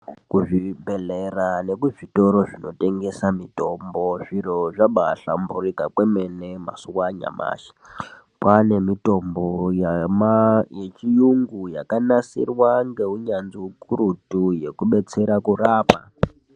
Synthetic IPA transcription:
kuʐibʱe̞lerane̞kuito̞ɾo̞ʐino̞te̞ŋɡe̞samito̞mbo̞ʐiɾoʐaɓaɬa̰mburikakwe̞me̞ne̞ma̰suwaɲa̰ma̰ːʃi̥ | pane̞mito̞mbojmajet͡ʃijuŋɡujakanasḭrwaŋɡe̞ɦuɲand͡ziukuɾutuje̞kuɓe̞t͡se̞ɾakuraːpa

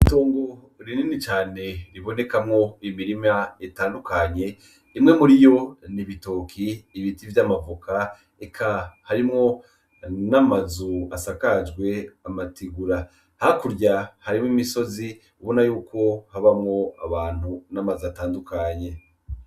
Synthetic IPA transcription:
ito̞ːŋɡo | ɾininit͡ʃaːne̞ɾiβo̞ne̞kamŋo̞imiɾimaetaːndukaɲe̞ | imŋe̞muɾijo̞niβito̞ːkʰiːβitivjamavukʰa | ekʰahaɾimŋo̞ | namazuasakad͡ʒɡwe̞amatiɡuɾa | hakuɾɟahaɾimŋimiso̞zi | uβonajuːko̞haβamŋo̞a̰βaːn̥hunamazuataːndukʰaɲe̞

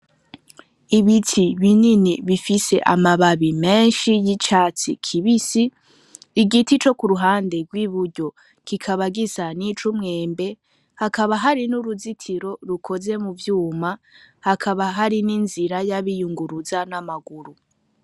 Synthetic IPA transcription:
iβitʰiβininiβifise̞ʔa̰maβaβimeːnʃijit͡ʃat͡sḭkʰiβisiː | ɡitit͡ʃo̞kuɾuɦaːnde̞ɡwiːβuɾɟo̞ | kikʰaβaɡizanit͡ʃumŋe̞ːmbe̞ | hakaβaɦaɾinuɾuzitʰiɾo̞ɾukʰo̞ze̞muvjuːmahakʰaβaɦaɾininziɾajaβijuŋɡuɾuzanamaɡuɾu

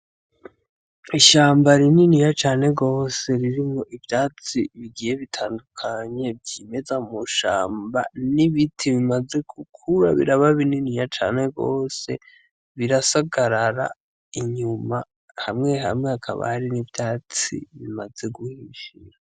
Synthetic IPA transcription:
iʃaːmbaɾininijat͡ʃaːne̞ɡo̞ːse̞ɾiɾimŋoʔivjaːt͡siβiɡije̞βitʰaːndukʰaɲe̞vɟiːme̞zamuʃa̰ːmba̰niβitʰiβimaze̞ɡ̥ukʰuɾa̰βḭɾaβaβininijat͡ʃa̰ːne̞ɡo̞̰ːse̞̰ | βiɾasaɡaɾaɾa̰ | iɲuma | hamŋe̞ɦa̰mŋeakʰa̰βa̰haɾinivjaːt͡sḭβimaze̞ɡuhiʒiɾa

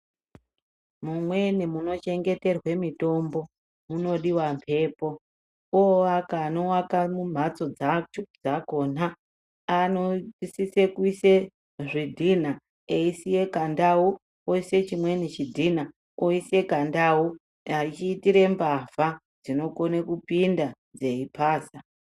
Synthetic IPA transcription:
mumwenimuno̞t͡ʃe̞ŋɡe̞te̞rwe̞mito̞mbo̞ | muno̞ɗiwampʰe̞ːpo̞ | oakaːnowakamum̤at͡so̞d͡zat͡ʃod͡zakoːnaː | nosise̞kuise | ʐidʱin̤a | eisije̞kandawu | oise̞t͡ʃimwe̞nit͡ʃidʱina | oise̞kandau | ait͡ʃiːtiɾe̞mbava | d͡zino̞ko̞nekupinda | d͡ze̞ipʰaːsa

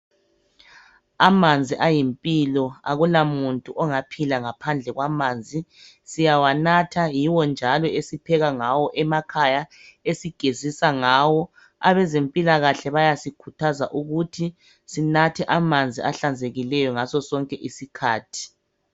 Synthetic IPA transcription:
amand͡zʱiʔajimpʼilɔa̰ɣulamuntʼuʔɔŋapʰilaŋapʰand͡ɮʱɛɣwamaːnd͡zʱi | sijawanatʰajiwɔnd͡ʒʱalɔesipʰɛɣaŋawɔʔɛmakʰajaesiɡ̥ʱezisaŋawɔ | a̰βɛzempʼilaɣaɬɛβajasikʰutʰaza̰ʔuɣutʰi | sinatʰɛʔamand͡zʱiaɬand͡zʱeɣilɛjɔŋasɔsɔŋkʼɛʔisikʰaːtʰi̥

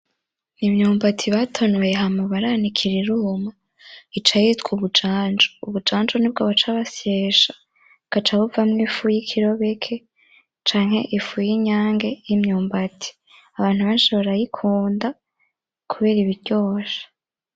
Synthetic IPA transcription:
nimɲuːmbatʰiβatʰonwejeɦamoβaɾanikʰiɾiɾuma | it͡ʃajitkuβud͡ʒaːnd͡ʒouβud͡ʒaːnd͡ʒoniːb̚ɡoβat͡ʃaβasjeːʃḁ | kat͡ʃaβuvamŋifujikʰiɾo̞βe̞kʰe̞ | t͡ʃaːŋ̥e̞̰ʔifujiɲaːŋɡe̞jimɲuːmbatʰi̥ | aβaːn̥huβanʃeβaɾajikʰuːnda | kʰuβe̞ːɾiβiɟo̞ːʃḁ

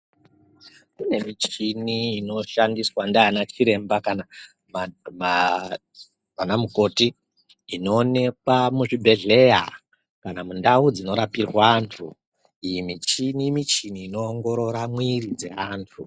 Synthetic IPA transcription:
kune̞mit͡ʃiniːno̞ʃandiswandaanat͡ʃiɾe̞mbakana | mama | ʋanamuko̞tiː | no̞ːne̞kwamuʐibʱe̞ɮe̞ja | kanamundaud͡zino̞ɾapirwaːntʰu | ijimit͡ʃinimit͡ʃiniːno̞ːŋɡo̞ɾo̞ɾamwirid͡ze̞̰aːntʰu

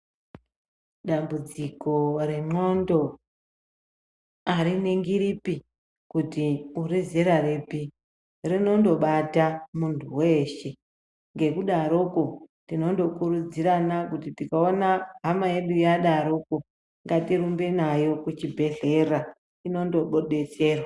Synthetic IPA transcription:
ɗambud͡ziko̞ɾe̞mo̞ndo̞ | aɾineŋɡiɾipi | kutiurizeɾaripi | rino̞ndo̞ɓatamuntʰuwe̞ːʃe̞ | ŋɡe̞kuɗaɾo̞ko̞tino̞ndo̞kurud͡ziranakutitikaonaɦamaje̞ɗujaɗaɾo̞ko̞ | ŋɡatirumbe̞najo̞kut͡ʃibʱe̞ɮe̞ra | ino̞ndo̞ɓo̞ɗe̞t͡se̞ːrwa

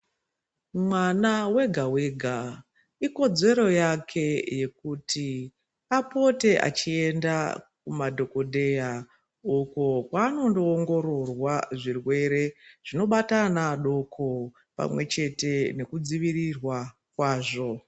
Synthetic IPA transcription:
mwanawe̞ɡʱawe̞ːɡʱa | iko̞d͡ze̞ɾo̞jakʰe̞je̞kutʰi | apo̞te̞ʔa̰t͡ʃie̞ndak̚umadʱo̞ko̞ɗe̞ja | ukokwaːno̞ndo̞ːŋɡo̞ɾo̞rwaʐirwe̞ɾe̞ʐ̥ino̞ɓatanaɗo̞kʰo̞ | pa̰mwe̞t͡ʃe̞te̞ne̞kud͡ziʋirirwa | kwaːʐo̞

